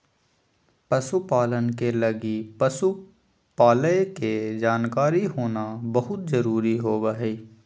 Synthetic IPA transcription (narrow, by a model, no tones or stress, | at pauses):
pəsupaːlənkelɐɡipsu | paːləjked͡ʒaːnkaːɾiɦoːnabɐɦʊt̪zɐɾuːɾiɦoːbəɦeː